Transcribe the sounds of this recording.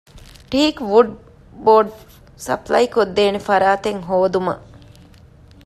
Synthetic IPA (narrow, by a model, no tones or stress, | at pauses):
ʈiːkʋuɖ | boːɖ | sɐ̰plɐjkod̪ːeːnefɐɾaːt̪eŋɦoːd̪umɐ̰